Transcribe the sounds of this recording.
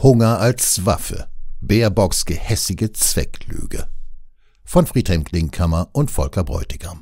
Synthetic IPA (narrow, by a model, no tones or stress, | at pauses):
hʊŋɐalsv̥a̰fə̰b̥eːɐbɔksɡ̥əhɛsɪɡət͡sv̥ɛ̰kly̰ːɡ̥ə̰ | fɔnfʁ̥iːthɛmkʰlɪŋkʰamɐʔʊntfɔlkɐbʁɔ̰ʏtɪɡ̥ɐm